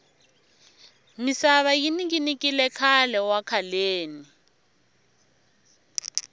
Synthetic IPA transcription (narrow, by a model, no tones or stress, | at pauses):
misaβajiniɡinikʼilɛkʰalɛwakʰaleːni